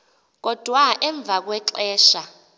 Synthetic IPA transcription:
k̬ɔd̥ʱwaʔɛɱb̪vʱak̬wɛǁɛːʃa

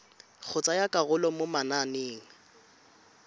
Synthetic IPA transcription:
k͡xʰʊt͡sʼajakʼaɣʊlɔmomananeːŋ̩

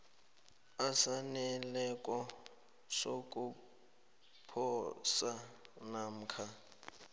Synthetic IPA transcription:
asanɛlɛkʼɔ | sokʼu | pʰɔsanam̩kʰa

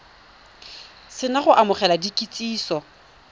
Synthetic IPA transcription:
sɪnaχʊʔamʊχɛladikʼit͡sʼiːsɔ

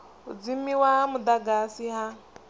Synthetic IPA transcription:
ʊd͡zim̩ːiwaɦamʊd̪aɡasiɦa

